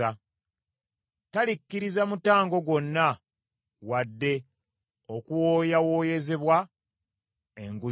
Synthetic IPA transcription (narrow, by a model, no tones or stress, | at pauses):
a | talikːiɾizamutaːŋɡo̞ɡo̞nːa | wadːe̞ | okuwoːjawo̞ːjeze̞βwa | eŋɡu